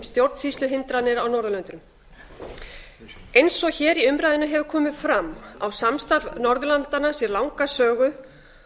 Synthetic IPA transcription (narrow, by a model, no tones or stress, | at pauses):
mst̪jowɾt̪n̥sislʏɦɪnt̪ɾanɪɾawnɔɾðʏlœnt̪ɾʏm | ejnsɔçɛːɾiʏmɾajðɪnʏɦɛvʏɾkʰɔːmɪðfɾamːa̰wsamst̪aɾvnɔɾðʏlant̪anːasjɛɾlawŋkasœːɣʏ